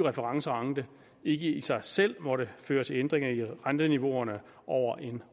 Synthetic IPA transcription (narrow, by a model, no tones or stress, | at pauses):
ʁɛfəʁɑ̈ŋsəʁɑ̈ŋd̥ə | e̝ɡ̥əisɑ̈ɪsel̰mɒ̽ɾəføːɐt͡sʰe̝lend̥ʁeŋɐiʁand̥əniʋo̝ɐnə | ʔɒʊ̰ɐʔe̝n